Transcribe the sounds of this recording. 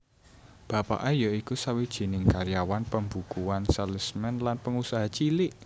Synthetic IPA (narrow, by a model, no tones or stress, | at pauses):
b̥a̤pa̰ʔajɔikusawid̥ʒ̥i̤nɪŋkaɾjawanpəmbukuwansələsmɛnlanpəŋusaɦat͡ʃilɪʔ